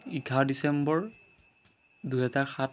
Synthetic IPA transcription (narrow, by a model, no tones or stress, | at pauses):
iɡʰʱawdisɛmbɔɹ | duɦɛzaɹxa